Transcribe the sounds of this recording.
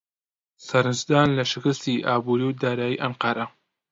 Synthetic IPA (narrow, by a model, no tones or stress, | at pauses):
sɐɾɨnzd̪aːnlɐʃɪkɨst̪iːʔaːbuːɾiːwd̪aːɾaːjḭːʔɐnqɑːɾɐ